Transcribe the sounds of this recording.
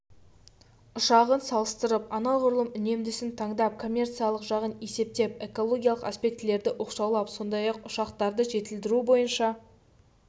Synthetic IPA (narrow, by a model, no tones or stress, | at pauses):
ʊʃɑʁənsɑlˠəst̪əɾəpɑnɑlˠʁʊɾlˠəmʏne̞md̪ɪsɪnt̪ʰɑɴd̪ɑp̚kʰo̞mʲːe̞rt̪sijalˠəqʒɑʁəne̞se̞p̚t̪e̞p̚e̞ko̞lˠo̞ɡʲijalˠəqaspe̞k̚t̪ɪle̞ɾd̪ɪʔo̞qʃɑwlˠɑpso̞nd̪ɑjɑqʊʃɑqt̪ɑɾd̪əʒe̞t̪ɪld̪ɪɾubo̞jənʃɑ